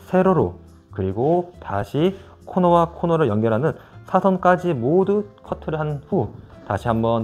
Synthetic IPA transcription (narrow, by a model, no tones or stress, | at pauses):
sʰe̞ɾoɾo̰ | kɯɾiɡotaɕʰi | kʰonʌwakʰonʌɾɯɭjʌŋɡjʌɾɦanɯnsʰasʰʌnk͈ad͡ʑimodukʰʌtʰɯɾɯɦanɸutaɕʰiɦambʌn